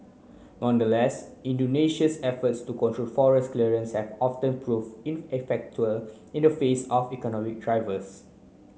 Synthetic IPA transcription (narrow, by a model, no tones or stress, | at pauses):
nɔ̃ndəlɛsĩndoneʃəsɛfətstukɔ̃ntʰɹolfɔɹɛskliɹə̃nshɛvɔftə̃npʰɹuvĩnɛfɛk̚t͡ʃuəl | ĩndəfesɔfikɔnɔmik̚dɹaɪvəs